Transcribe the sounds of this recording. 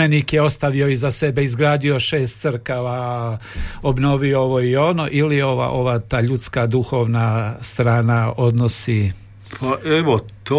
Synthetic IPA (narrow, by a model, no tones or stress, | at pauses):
enikjeo̞st̪aʋio̞izase̞beizɡɾaːd̪io̞ʃeːst̪sɨɾkaʋa | obno̞ʋiooʋoio̞no̞ʔilijeo̞ʋa̰ʔo̞ʋaːt̪aːʎut̪skad̪uxo̞ːʋnast̪ɾaːnao̞d̪nosi | pʰaʔeʋot̪o